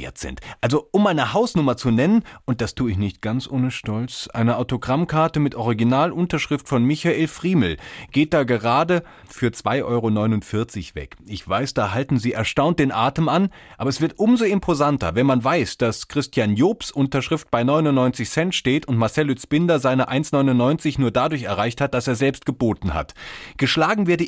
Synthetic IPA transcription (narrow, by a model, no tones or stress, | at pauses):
ḛɐtz̥ɪ̰ntʔalzoʔʊmʔaɪnəhaʊsnʊmɐt͡sunɛnənʔʊnt̚d̥astʰuːɪçnɪçt̚ɡ̥ant͡sʔoːnəʃtɔlt͡sʔa̰ɪnəʔaʊtoɡʁamkʰaɐtəmɪtʔɔʁ̞iɡinaːlʔʊntɐʃʁ̥ɪftfɔnmɪçaʔeːlfʁ̥iːml̩ɡ̥eːt̚d̥aːɡəʁaːdə | fyːɐt͡sv̥aɪʔɔʏʁonɔʏnʊntfɪɐt͡sɪçv̥ɛ̰kʔɪçv̥aɪsd̥aːɦaltn̩ziːɛɐʃtaʊnt̚d̥eːnʔaːtəman | ʔaːbɐɛsv̥ɪɐtʔʊmzoɪmpʰozantɐ̰vɛnmanvaɪsd̥askʁ̥ɪstjaːnjoːpsʔʊntɐʃʁ̥ɪft̚b̥aɪnɔʏnʊnnɔʏnt͡sɪçsɛntʃteːtʊntmaɐsɛlyt͡sb̥ɪndɐzaɪnəʔaɪnsnɔʏnʊnnɔʏnt͡sɪçnuːɐdadʊɐçɛɐʁ̞aɪçthat̚d̥aseːɐzɛlpst̚ɡ̥əboːtn̩ha̰tɡ̥əʃlaːɡŋ̩veːɐdə